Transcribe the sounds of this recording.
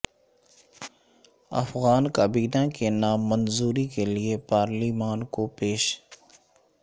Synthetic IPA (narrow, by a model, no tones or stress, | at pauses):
ɐ̰fɣaːnkabiːdãkenaːmːənzuːɾikeliepaːɾliːmaːnkopeːʃ